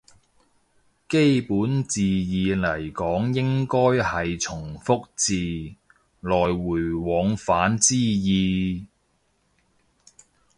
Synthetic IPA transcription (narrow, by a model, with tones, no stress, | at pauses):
ke˥jpuː˨˥nt͡siː˨jiː˨˧lɐ˨˩jkɔː˨˥ŋjɪ˥ŋkɔː˥jhɐ˨jt͡ʃʰʊ˨˩ŋfʊ˥k̚t͡siː˨ | lɔː˨jwuː˨˩jwɔː˨˧˥ŋfaː˨˥nt͡siː˥jiː˨˧